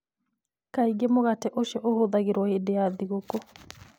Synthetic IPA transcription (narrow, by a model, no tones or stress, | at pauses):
kaiɡemoɣatɛʔoʃɛʔohoðaɣeɾwɔedeaðiɣoko